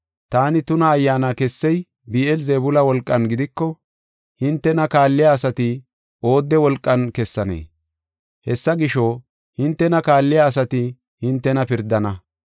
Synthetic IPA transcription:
t̪aːnɪt̪ʊnɐːjːaːnakɛsːɛj | biːɛlzeːbʊlɐwɔlkʼːɐnɡɪd̪ɪkːɔ | hɪnt̪ːɛnɐkaːlːɪjaːsɐt̪ɪ | o̞ːd̪ːɛwɔlkʼːɐnkɛsːɐnḛː | hɛsːɐɡɪʃo | hɪnt̪ːɛnɐkaːlːɪjaːs̬ɐt̪ɪ | hɪnt̪ːɛnɐpɪɾd̪ːɐnɐ

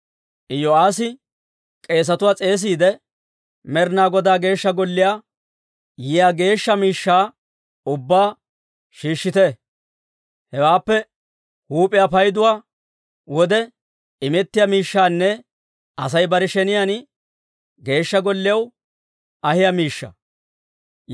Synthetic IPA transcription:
ʔɪjɔaːsɪ | kʼe̞ːs̬ɐt̪ʊwaːt͡sʼe̞ːs̬iːd̪ɛ | mɛɾnaːɡɔd̪aːɡe̞ːʃːɐɡɔlːɪjaː | jɪjaːɡe̞ːʃːɐmiːʃːaː | ʊbːaː | ʃiːʃːɪt̪ɛ | hɛwaːpːɛ | huːpʼɪjapɐjd̪ʊwaː | wɔd̪ɛ | ɪmɛt̪ːɪjamiːʃːaːnːɛ | ʔɐsɐjbɐɾɪʃɛnɪjan | ɡe̞ːʃːɐɡɔlːɪjɐw | ɐhɪjamiːʃːɐ̰

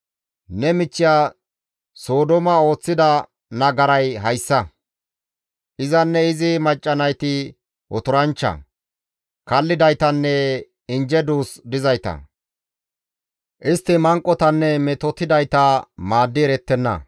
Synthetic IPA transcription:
nɛmɪt͡ʃːɪjaː | so̞ːd̪ɔmɐo̞ːt͡sːɪd̪ɐ | nɐɡɐɾɐjɦɐjsːɐ | ʔɪzɐnːɛɪzɪmɐt͡ʃʼːɐnɐjt̪ɪ | ʔɔt̪ʊɾɐnt͡ʃːɐ̰ | kɐlːɪd̪ɐjt̪ɐnːɛ | ɪnd͡ʒɛd̪uːsd̪ɪzɐjt̪ɐ̰ | ʔɪst̪ːɪmɐŋkʼːɔt̪ɐnːɛmɛt̪ɔt̪ɪd̪ɐjt̪ɐmaːd̪ːɪɛɾɛt̪ːɛnːɐ̰

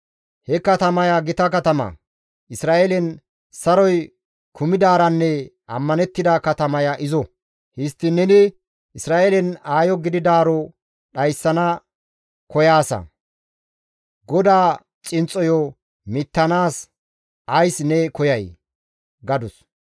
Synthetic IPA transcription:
hɛkɐt̪ɐmɐjaɡɪt̪ɐkɐt̪ɐmɐ̰ | ʔɪsɾaːʔelɛn | sɐɾɔj | kʰʊmɪd̪aːɾɐnːɛ | ɐmːɐnɛt̪ːɪd̪ɐkɐt̪ɐmɐjɐʔɪzɔ | hɪst̪ːɪnɛnɪ | ʔɪsɾaːʔeːlɛnaːjɔɡɪd̪ɪd̪aːɾɔ | ɗɐjsːɐnɐ | kɔjaːsɐ̰ | ɡɔd̪aː | t͡sʼɪnt͡sʼɔjɔ | mɪt̪ːɐnaːs | ʔɐjsnɛkɔjɐj | ɡɐd̪ʊs

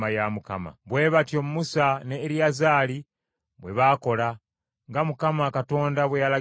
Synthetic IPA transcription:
ajamuka̰ma̰βwe̞ːβatjo̞mumusaneːɾjazaːli | βwe̞βaːko̞la | ŋɡamukamakato̞ːndaβwe̞jala

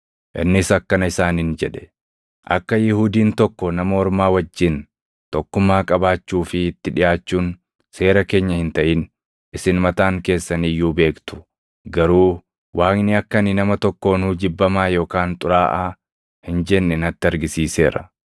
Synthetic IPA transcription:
ʔɪ̰nːɪsɐkːɐnɐɪsaːnɪnd͡ʒɛᶑɛ̥ | ʔɐ̰kːɐjɪhuːd̪iːnt̪ɔkːɔnɐmɐɔɾmaːwɐd͡ʒːɪn | t̪ɔkːʊmːaːkʼɐbaːt͡ʃːuːfɪɪt̪ːɪᶑɪjaːt͡ʃːuːn | se̞ːɾɐke̞ːɲːɐhɪnt̪ɐʔɪn | ɪsɪnmɐt̪aːŋke̞ːsːɐnijːuːbe̞ːkt̪ʊ̥ | ɡɐɾuː | wʔaːknɪɐkːɐnɪnɐmɐt̪ɔkːo̞ːnuːd͡ʒɪbːɐmaːjo̞ːkaːnt̪ʼʊɾaːʔaː | hɪnd͡ʒɛnːɛnɐt̪ːɪɐɾɡɪsiːse̞̰ːɾɐ

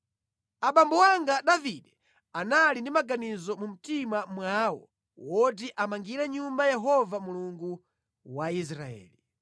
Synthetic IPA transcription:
aɓambɔwaŋɡaɗaviɗɛ | analindimaɡanizɔmum̩timamwawɔ̰ | wɔt̬iʔamaŋɡiɾɛɲumbajɛɦɔvamuluŋɡu | wais̬ɾa̰ɛ̰ːli

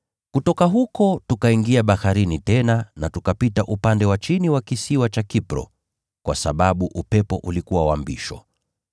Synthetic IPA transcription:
kutɔkaɦukɔtukaiŋɡiaɓahaɾinitɛnanatukapitaʔupandɛwat͡ʃiniwakisiwat͡ʃakipɾɔ̰ | kwʔa̰sa̰ɓaɓuʔupɛpɔʔulikuwawambḭʃɔ̰

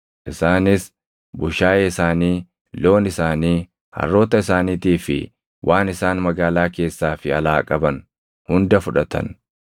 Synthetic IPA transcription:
ʔɪsaːnɪs | bʊʃaːjɛɪsaːniː | lo̞ːnɪsaːniː | hɐ̰rːo̞ːt̪ɐɪsaːniːt̪iːfɪ̰ | wʔaːnɪsaːnmɐɡaːlaːke̞ːsːaːfɪɐlaːkʼɐbɐn | hʊnd̪ɐfʊᶑɐt̪ɐ̰n

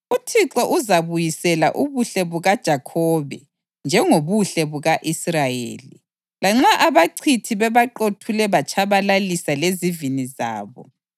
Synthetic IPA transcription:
utʰiǁɔʔuzaβujisɛla̰ʔuβuɬɛβuɣad̥ʒ̥ʱakʰɔβɛ | nd͡ʒʱɛŋoβuɬɛβuɣaʔisrajḛːlḭ | laŋ͡ǁaʔaβaǀʰitʰiβɛβaǃotʰulɛβat͡ʃʼʰaβalalisaleziviniza̰ːβɔ̰

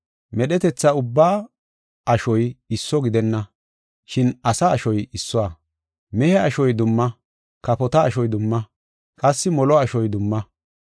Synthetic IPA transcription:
mɛɗɛt̪ɛt͡sːɐʊbːaː | ɐʃɔjɪsːɔɡɪd̪ɛnːɐ | ʃɪnɐsɐːʃɔjɪsːɔwa | mɛhɛɐʃɔjd̪ʊmːɐ | kɐpɔt̪ɐːʃɔjd̪ʊmːɐ | kʼɐsːɪmɔlɔɐʃɔjd̪ʊmːɐ

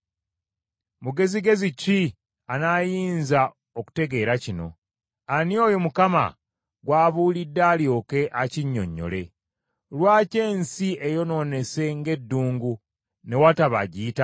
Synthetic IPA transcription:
muɡe̞ziɡe̞zici | anajiːnza | oku̥te̞ɡe̞ːɾacino̞̰ | anio̞ːjomukama̰ | ɡwaːβuːlidːaːljo̞ːke̞ʔaciɲːo̞̰ɲːo̞̰le̞ | lwaːce̞ːnsiejo̞no̞ne̞se̞ŋɡe̞dːuːŋɡu | ne̞wataβa̰ɟiːta

